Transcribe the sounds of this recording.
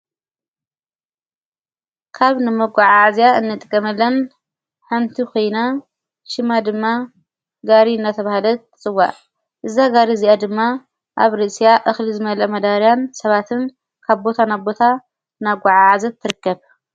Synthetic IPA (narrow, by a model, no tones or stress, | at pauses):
kʰaβnɨmɐɡʷaʕaʕazijaɨnːɨt̪ʼkʼːɐmɐlːɐn | ħant̪ʰikʰo̞jna | ʃɪmad̪ɨmːa | ɡaɾiɨnːat̪ʰɐβahlɐɨt͡sʼɨwːa̰ʔ | ʔɨzaɡaɾiziʔad̪ɨmːa | ʔaβɾɨsijaʔɨxlizɨmɐlɐmɐd̪aɾijansɐβat̪ʰɨn | kʰaβbo̞t̪ʰanaβbo̞t̪ʰa | naɡʷaʕaʕazɐt̪ʰːɨɾɨkʰːɐβ